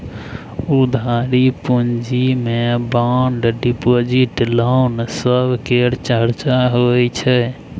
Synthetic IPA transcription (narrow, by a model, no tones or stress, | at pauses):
ud̪ʱaɾipund͡ʒimebaɳɖɖipod͡ʒiʈlansəbʱkeɾt͡ʃəɾt͡ʃaɦoɛt͡ʃʰɛ